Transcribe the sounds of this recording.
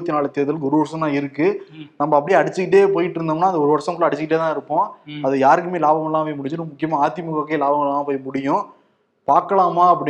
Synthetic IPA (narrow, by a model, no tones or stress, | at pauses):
t̪ːinaːɭɐt̪eːðɪlɯkɔɾɯʋɐɾsɐ̃mt̪ãːɪɾɯkːɯnɐmːɐːpːɐɽiɐɽɪt͡ʃːɯkɪʈ̬ːeːpoːjɪʈːɪɾɯnd̪aːmnːaːnðd̪ɐɔɾɯʋɐɾʂɐŋkːʊɭːɐɐɽɪt͡ɕːɯkɪʈ̬ːeːt̪ãːɪɾɯpːõːɐðɯjaːɾɯk̬ːɯmeːlaːbɐŋɡɐɭlãːpɐjɐmʊɽɪɲd͡ʒɯnmʊkːɪjɐmaːaːt̪ːɪmɐkokːeːlaːbɐŋɡɐɭlãːpoːjɐmʊɽɪjʊ̃ | paːɾkːɐɭaːmaːɐpːɐɽɪ